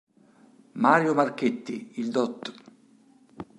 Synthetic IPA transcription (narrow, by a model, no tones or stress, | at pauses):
maːɾjomarket̪ːiild̪ɔt̪ː